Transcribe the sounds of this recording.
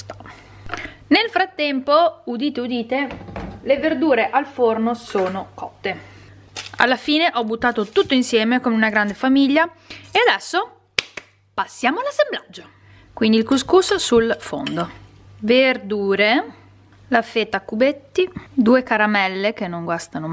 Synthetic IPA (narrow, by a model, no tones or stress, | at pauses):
nelfɾat̪ːɛmpoud̪iːt̪eud̪iːt̪eleverd̪uːɾeʔalfornosoːnokɔt̪ːe | a̰lːafiːneʔɔbut̪ːaːt̪ot̪ut̪ːoinsjɛːmekomeunaɡɾand̪efamiʎːa | ead̪ɛsːo | pasːjaːmoalːasːemblad͡ʒːo | kwind̪ilkuskuːsosulfo̰nd̪o | verd̪uːɾe | lafeːt̪ːakubet̪ːid̪uːekaɾamɛlːek̟enːoŋɡwast̪ano